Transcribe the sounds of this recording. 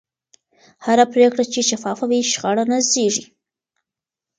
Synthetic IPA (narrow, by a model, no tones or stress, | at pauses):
haɾapɾekɽat͡ʃeʃafɑfawiʃɣɑɽanazeʐi